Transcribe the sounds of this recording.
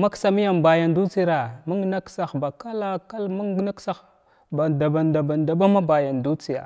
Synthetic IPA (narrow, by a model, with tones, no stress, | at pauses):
ma˦ksa˨mi˦ja˨mba˨ja˨ndu˦t͡si˦ɾa˨ma˦ŋ˦na˦ksa˨xba˨ka˦la˦ka˦lma˦ŋɡna˦ksa˦x | ba˨da˨ba˨nda˨ba˨nda˨ba˦ma˦ba˨ja˨ndu˦t͡si˨ja̰˨